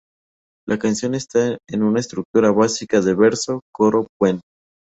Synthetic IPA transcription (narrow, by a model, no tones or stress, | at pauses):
lʔakansjo̞ne̞st̪aenunaest̪ɾuk̚t̪uɾaβasikaðeβe̞ɾso̞koɾo̞pwen